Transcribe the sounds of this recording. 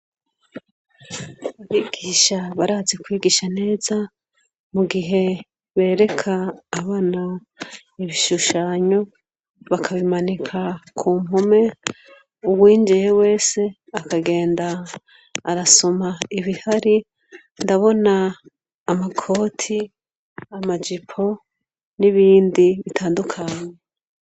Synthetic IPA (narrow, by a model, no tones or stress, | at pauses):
aβiɡ̥iːʃaβaɾaːze̞kwiːɡiːʃane̞ːza | muɡiɦe̞ | βe̞ːɾe̞kʰaːβaːna | iβiʃuʃaːɲo̞ | βakʰaβimanikʰakʰuːmɦume̞ | uβwiːnd͡ʒijewe̞ːse̞ | akaɡe̞ːndaː | ɾaso̞maiβihaɾi | ndaβo̞naː | makʰo̞ːtʰi | amad͡ʒipʰo̞ | niβiːndiβitʰaːndukʰaɲe